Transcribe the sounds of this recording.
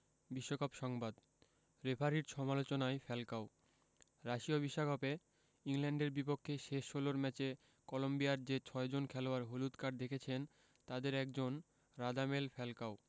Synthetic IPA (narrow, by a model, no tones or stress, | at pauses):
biʃːokʰapʃɔŋbad̪ | ɾepʰaɾiɾʃɔmalot͡ɕonaefɛlkaw | ɾaʃiobiʃːakʰope | iŋlɛɳɖeɾbipokʰːeʃeʃːoloɾmɛt͡ɕe | kɔlombijaɾd͡ʑet͡ɕʰɔed͡ʑonkʰɛloaɾɦolut̪kaɾd̪ekʰet͡ɕʰen | t̪ad̪eɾɛkd͡ʑon | ɾad̪amelfɛlkaw